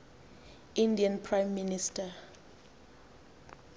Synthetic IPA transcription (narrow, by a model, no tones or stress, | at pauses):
ʔĩndiãnpʰɹãjmːinistʰa